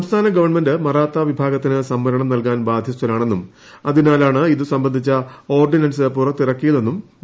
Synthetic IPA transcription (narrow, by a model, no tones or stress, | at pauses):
sɐmst̪ʰaːnɐɡɐʋɐrɳme̞ndɨmɐraːt̪ːaʋibʱaːɡɐt̪ːinɨsɐmːɐɾɐɳɐmnɐlkaːnbaːd̪ʱjɐst̪ːɐlaːɳe̞nːum | ɐðinaːlaːɳɨiðusɐmbɐnd̪ʱit͡ɕːɐo̞ːrɖinɐnsɨpurɐt̪ːirɐkːijɐðenːum